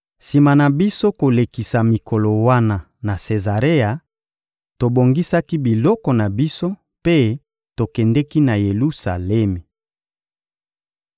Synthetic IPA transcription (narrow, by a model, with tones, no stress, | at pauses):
si˨ma˨na˨bi˦so˦ko˨le˨ki˨sa˨mi˨kʰɔ˨lɔ˨wa˦na˨ | na˨se˨za˨ʁe˦a˨ | to˨bo˨ŋɡi˦sa˦ki˦bi˨lɔ˦kɔ˨na˨bi˦so˦ | pe˦ | to˨kɛ˨ndɛ˦ki˦na˨je˨lu˦sa̰˨lɛ˦me˨